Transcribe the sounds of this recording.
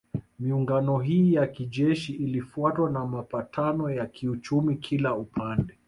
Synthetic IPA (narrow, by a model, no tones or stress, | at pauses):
miuŋɡanɔɦiːjakiʄɛʃiʔilifuatwanamapatʰanɔjakʰiut͡ʃumikʰilaupʰandɛ